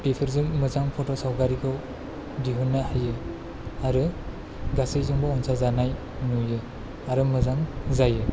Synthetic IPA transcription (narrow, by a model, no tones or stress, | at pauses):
pipʰɯɾzɯŋmɯzaŋpʰɔtɔsawkaɾikʰaw | diɦunːahajɯ | aɾɯ | ɡasɯjzɯŋbɔɔnsʰazanaj | nujɯ | aɾɯmɯzaŋzajɯ